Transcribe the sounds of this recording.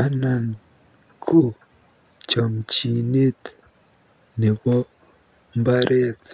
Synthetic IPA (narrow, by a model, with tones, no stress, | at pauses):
a˦na˨n | kʰu˦ | t͡ʃo˨mci˨ni˦ti̥ | ni˨βo˦ | mba˦ɾʔe˦t͡s